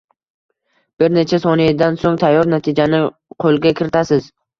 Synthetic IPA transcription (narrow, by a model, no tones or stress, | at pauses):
b̥ɪɾne̞t͡ʃʰasɒnid̪ansoŋt̪ʰajːɒɾnat̪ʰɪd͡ʒanɪ | qʰolˠɡʲakʲʰɪɾɪt̪ʰasɪz̥